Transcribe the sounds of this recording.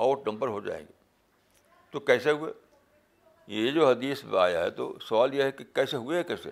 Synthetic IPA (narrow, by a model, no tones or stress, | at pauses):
aːʈnɐ̃mbəɾɦod͡ʒa̰ːḛ̃ːŋɡeː | t̪okɛːseɦuḛː | jed͡ʒoːɦɐd̪iːsa̰ːja̰ɦɛ̰t̪o̰sɐʋaːljeɦɛkikɛːseɦueɦɛkɛːsḛ